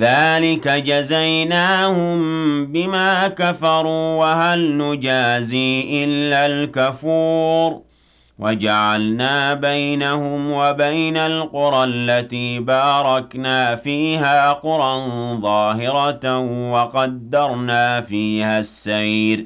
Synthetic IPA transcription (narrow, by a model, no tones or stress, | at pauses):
ðaːlɪkad͡ʒazajnaːhʊmbɪmaːkafɑɾˤuːwaɦalnʊd͡ʒaːziːʔɪlːalkafuːɾ | wad͡ʒaʕalnaːbajnahʊmwabajnalqʊɾˤɑlːat̪iːbaːɾˤɑknaːfiːɦaːqʊɾˤɑnðˤɑːɦɪɾɑt̪wɑqɑd̪ːɑɾˤnaːfiːhasːajɾ